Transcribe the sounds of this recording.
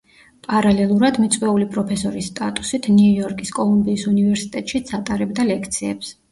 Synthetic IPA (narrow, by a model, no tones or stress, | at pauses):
pʼaɾalɛlˠuɾad̪mit̪sʼqʼwɛulipʼɾɔpʰɛsɔɾisːt̪ʼat̪ʼu̥sit̪ʰniujɔɾkʼiskʼɔlˠumbiːsunivɛɾsi̥t̪ʼɛt̪ʼʃit̪sʰat̪ʼaɾɛbd̪alɛkʰt̪sʰiɛ̰ps